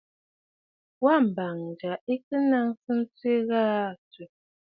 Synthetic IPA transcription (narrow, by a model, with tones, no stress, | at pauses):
wa˦˨m̩˨ba˨ŋn˨d͡ʒa˨i˦kɨ˦na˦ŋsɨ˦n̩˦t͡se˦ɣaː˦˨t͡si˨